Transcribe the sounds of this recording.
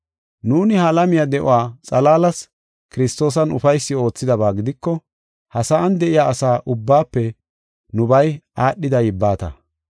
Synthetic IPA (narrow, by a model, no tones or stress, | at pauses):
nuːnɪhaːlɐmɪjad̪ɛʔʊ̰waːt͡sʼɐlaːlɐs | kɪɾɪst̪o̞ːs̬ɐnʊfɐjsːɪo̞ːt͡sːɪd̪ɐβaːɡɪd̪ɪkːɔ | hɐsɐːnd̪ɛʔɪjaːʔɐsaːʔʊbːaːpːɛ | nʊbɐjaːɗːɪd̪ɐjɪbːaːt̪ɐ̰